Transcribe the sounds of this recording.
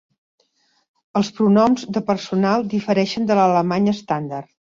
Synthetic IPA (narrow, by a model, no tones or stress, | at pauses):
əlˠspɾunɔmzðəpərsunalˠd̪ifəɾɛʃənd̪ələləmaɲəst̪and̪ar